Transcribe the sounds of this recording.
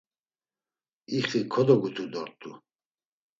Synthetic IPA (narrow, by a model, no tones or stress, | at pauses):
iχikʰɔd̪ɔɡut̪ʰud̪ɔɾt̪ʰʼu